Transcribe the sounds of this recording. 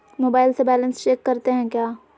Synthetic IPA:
moːbaːɪlsebɛːlə̃nst͡ʃeːkːɐɾt̪eɦɛ̃kjaː

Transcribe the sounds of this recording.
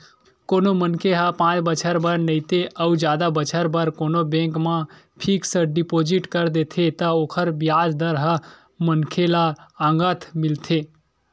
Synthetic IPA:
konomənkʰeɦãpãːt͡ʃbət͡ʃʰəɾbəɾnəit̪eʔəud͡ʒjaːd̪abət͡ʃʰəɾbəɾkoːnobẽŋkmã | ʈʰiːksəɖipoːd͡ʒiʈkəɾd̪eːt̪ʰet̪əoːkʰəɾbjaːd͡ʒd̪əɾɦa | mənkʰelaãːŋɡət̪ʰmɪlt̪ʰeː

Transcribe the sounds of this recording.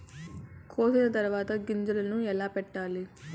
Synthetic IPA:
kʰoːsinɐt̪ɐɾʋaːt̪ɐɡiɲd͡ʒulɐnuɛlaːpɛʈːaːli

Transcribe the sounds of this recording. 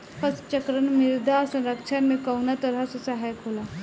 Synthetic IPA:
pʰɐst͡ʃəkɾənmɪɾd̪asɐ̃nɾəkʃʰənmẽkəwnat̪əɾəsʊsaɦajkʰoːla

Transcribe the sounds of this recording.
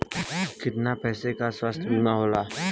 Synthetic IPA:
kɪt̪napɛːsekaswəst̪ʰunaɦoːlaː

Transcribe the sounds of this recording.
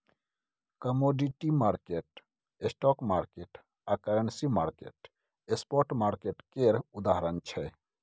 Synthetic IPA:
kəmoɖiʈimaɾkeʈ | esʈɔkmaɾkeʈ | akəɾənsimaɾkḛʈ | espɔɾʈmaɾkeʈkeɾud̪aɦəɾənt͡ʃʰɛ

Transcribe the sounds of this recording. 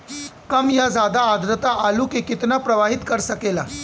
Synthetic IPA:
kəmjad͡zad̪aːd̪ɾət̪aʔaluːkekit̪napɾəʋaɦit̪kəɾsəkela

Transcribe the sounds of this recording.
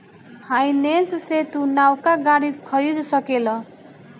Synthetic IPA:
hajnensset̪unawkaɡaɽikʰʌɾid̪sʌkelʌ

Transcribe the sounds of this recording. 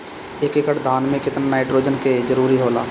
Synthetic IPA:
ekekəʈd̪ʱaːnmẽkɪt̪ənnaːɪʈɾoːd͡ʒənked͡ʒəɾuːɾiɦoːla̰ː

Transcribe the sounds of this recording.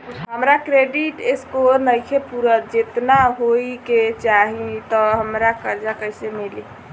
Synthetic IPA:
ɦəmɾakɾeɖiʈeskoɾnəjkʰepuɾəd͡ʒet̪naɦoiket͡ʃaɦit̪ɔɦəmɾakəɾd͡ʒakəɦisemili

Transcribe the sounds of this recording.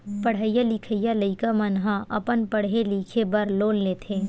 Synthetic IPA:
pəɽɦəjaliːkʰəjaləikamɐnɦãʔɐpənpəɽ̤ɦeliːkʰebɐɾloːlleːt̪ʰẽː

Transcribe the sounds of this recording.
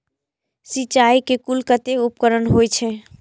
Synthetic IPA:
sit͡ʃaikekulkət̪eupkəɾənɦojt͡ʃʰɛ

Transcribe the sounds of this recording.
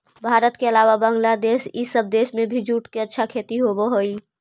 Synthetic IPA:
bʱaːɾət̪keəlaːʋabə̃ŋɡlad̪eːʃisəb̚d̪eːʃmẽbʱid͡ʒuːʈkeɐtːʃʰakʰeːt̪iɦoboɦoːiː

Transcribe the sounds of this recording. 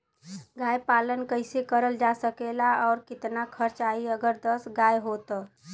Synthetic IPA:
ɡajpalənkəɪsekəɾəld͡ʒasəkelaɔːɾkɪt̪nakʰəɾt͡ʃaiəɡəɾd̪əsɡajɦot̪ː

